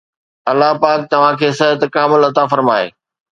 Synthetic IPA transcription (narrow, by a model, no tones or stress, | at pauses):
ɐlːaɦpaːk̚t̪ɐʋ̤ãkʰeːsɐɦt̪kaːmɪlɐt̪afɐɾmaːḛː